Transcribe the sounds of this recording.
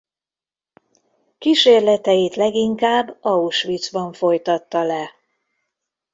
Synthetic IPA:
kiʃeːrlɛt̪ɛjit̪lɛɡiŋkaːbːɒuʃʋit̪sbɒɱfo̞jt̪ɒt̪ːɒlɛ

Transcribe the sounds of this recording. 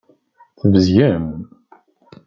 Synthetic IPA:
θəvəzjæm

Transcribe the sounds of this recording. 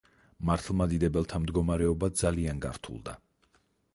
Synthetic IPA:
maɾt̪ʰlˠmad̪id̪ɛbɛlˠt̪ʰamd̪ɡɔmaɾɛɔbad̪zalianɡa̰ɾt̪ʰṵlˠd̪a̰

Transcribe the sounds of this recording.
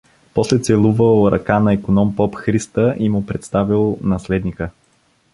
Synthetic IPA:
pɔslɛt̪sɛlˠuvəlˠɾɐ̰kanɐikonɔmpɔpxɾist̪əʔimʊpɾɛt̪st̪avilˠnɐslɛd̪nikə

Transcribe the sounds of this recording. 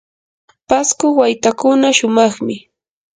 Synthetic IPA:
paskʊwajt̪akʊnaʃʊmɑχmɪ

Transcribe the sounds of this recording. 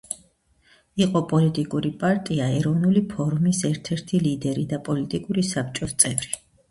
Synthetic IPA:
iqʼɔpʼɔlit̪ʼikʼuɾipʼaɾt̪ʼiaɛɾɔvnulipʰɔɾmisɛɾt̪ʰɛɾt̪ʰilid̪ɛɾid̪apʼɔlit̪ʼikʼuɾisap̚ʰt͡ʃʼɔst̪sʼɛvɾi

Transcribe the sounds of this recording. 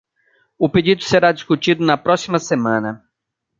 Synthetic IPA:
ʊped͡ʒid̪ʊseɾad͡ʒiskut͡ʃid̪ʊnɐpɾɔsimɐsemɐ̃nɐ

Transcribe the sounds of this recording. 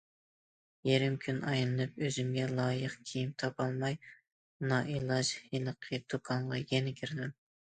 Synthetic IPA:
jeɾɪmkʲʰynʔɑjnˠɨnɨp̚øzymɡʲɛlˠɑːjəqkʲʰijimt̪ʰɑpɑlˠmɑj | nɑʔilˠɑʒhilˠəqʰɨd̪ukʰɑnʁɑjɛnɪkʲʰyɾɪd̪ɪm

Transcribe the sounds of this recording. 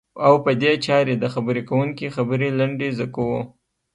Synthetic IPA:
awpəd̪et͡ʃɑɾed̪əxabəɾekawuŋkixabəɾelaɳɖezakawo

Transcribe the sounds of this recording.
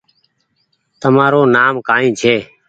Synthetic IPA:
t̪əmaːɾoːnaːmkaːĩːt͡ʃʰeː

